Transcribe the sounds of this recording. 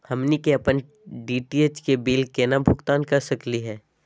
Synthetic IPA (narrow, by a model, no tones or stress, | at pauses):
hɐmnikeɐpən | ɖiːʈiet͡ʃkebiːlkenabʱʊɡt̪aːnkɐɾsəkliɦɛː